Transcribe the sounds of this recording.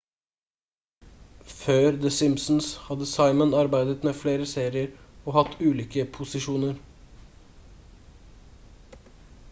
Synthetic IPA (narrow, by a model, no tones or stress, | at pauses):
føːɾd̪əsɪmsn̩shɑd̪əsɑɪmənɑɾbæɪd̪ət̪meːfleːɾəseːɾɪəɾɔːhɑt̪ːʉːliːkəpʰʊsɪʂuːnəɾ